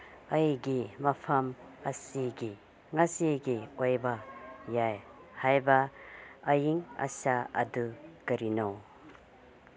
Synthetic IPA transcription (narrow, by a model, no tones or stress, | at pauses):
ɐjɡimɐpʰɐmɐsiɡi | ŋasiɡiojbajaj | hajbaɐjiŋɐ̰saɐ̰dukɐɾinow